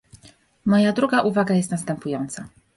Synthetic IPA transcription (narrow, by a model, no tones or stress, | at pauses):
mɔjad̪ɾuɡaʔuvaɡajɛst̪nast̪ɛmpujɔnt̪sa